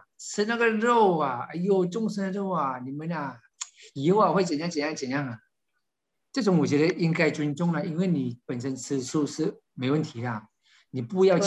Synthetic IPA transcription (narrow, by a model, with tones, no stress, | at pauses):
t͡s̩ʰ˥˧na˥˩ɡə˨ɻo˥˩ʊa˨˩a˧jo˥˧ʊʈ͡ʂʊ˥˧ŋʂ̩ʰ˥nə˧ɻo˥˩ʊa˩ni˨˩mə˨˦na˨ | ji˧˥ʊa˨xwe˥˩ɪt͡sə˨˩nja˥˧ŋt͡ɕjɛ˨nja˥ŋt͡ɕjɛ˨˩nja˥˩ŋa˨˩ | ʈ͡ʂɤ˥˩ʈ͡ʂʊ˧˦ŋwɔ˨˩t͡ɕɥɛ˧˥d̪ə˧˦ʔi˦˥ŋka˥ɪʈ͡ʂə˧nʈ͡ʂʊ˥˩ŋla˨i˧˥nwe˥˩ɪni˨˩˦pə˨˩nʂə˧˥nt͡s̩ʰ˥˧ʂu˥˧ʂ̩˥˩ | me˧˥ɪwə˥˩nt̪ʰi˨˥lə˧ | ni˨˩pu˥˧jɑ˥˧ʊ